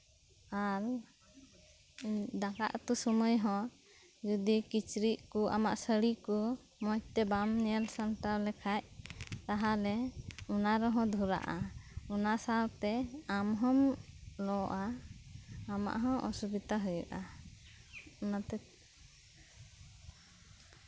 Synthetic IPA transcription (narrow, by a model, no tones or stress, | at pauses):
aɾ | d̪aka̰ʔt̪usɔməjɦɔ̃ | d͡ʒud̪ikit͡ʃɾiʔkuʔa̰ma̰ʔsəɽiku | mɔjt̪ɛbamnɛɛlsant̪awlɛkʰac̚t̪aɦalɛunaɾɔɦɔ̃d̪ʱuɾa̰ʔaunasaɾt̪ɛamɦɔmlɔʔaː | ma̰ʔɦɔ̃ʔɔ̰subit̪aɦujuʔa | unat̪ɛ